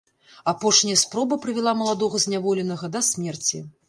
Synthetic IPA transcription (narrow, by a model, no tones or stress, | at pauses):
apɔʂnʲɐjɐspɾɔbɨpɾɨvʲɛlˠamɐlˠad̪ɔɣɐzʲnʲavɔlʲɛnɐɣɐd̪ɐsʲmʲɛrt͡sʲi